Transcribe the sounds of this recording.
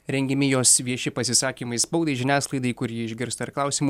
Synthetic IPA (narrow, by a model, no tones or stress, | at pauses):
ɾʲɛŋʲɡʲɛmʲɪjoːsʋʲiɛʃʲɪpɐsʲɪsɑːkʲiːmɐɪspɐʊd̪ɐɪʒʲɪnʲæːslˠɐɪd̪ɐɪkʊɾjiːɪʒʲɡʲɪɾst̪ɐɐɾklˠɑˑʊsʲiːmuː